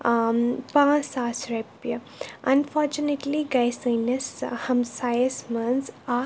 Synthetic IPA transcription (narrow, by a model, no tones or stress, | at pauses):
pãːsaːsɾepjɐ | ʔɐ̃nfɔːɾt͡ʃuneʈliɡajsɐnɐshɐ̃msajəsmɐ̃nsaː